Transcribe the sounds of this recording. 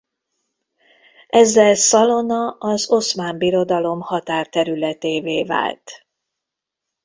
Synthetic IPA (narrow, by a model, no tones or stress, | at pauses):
ɛzːɛlsɒlo̞nɒʔɒzo̞smaːmbiɾo̞d̪ɒlo̞mhɒt̪aːrt̪ɛɾylɛt̪eːveːva̰ːlt̪